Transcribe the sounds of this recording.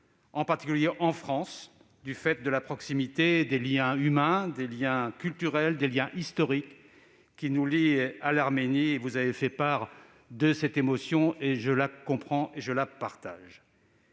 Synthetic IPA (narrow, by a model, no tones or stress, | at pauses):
ɑ̃paʁt̪i̥kʲyljeʔɑ̃fχɑ̃s | d̪yfɛt̪̚d̪əlapχɔksimit̪ed̪eljɛ̃ymɛ̃d̪eljɛ̃kʲylt̪yʁɛld̪eljɛ̃ʔist̪ɔʁikʲː | inulialaʁmenievuzavefɛpaʁ | d̪əsɛt̪emɔsjɔ̃eʒəlakɔ̃pχɑ̃ʔeʒəlapaʁt̪a̰ʒ